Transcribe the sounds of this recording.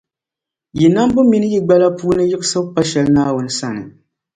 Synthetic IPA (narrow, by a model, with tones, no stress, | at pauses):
ji˨na˦m˦bʊ˦mi˦nɨ˦ji˦ɡ͡ba˦la˦puː˦nɨ˦jɪ˦ʔsɨ˦bpa˦ʃɛ˦lnaː˦wʊ˨˦nɨ˦sa˦nɨ˨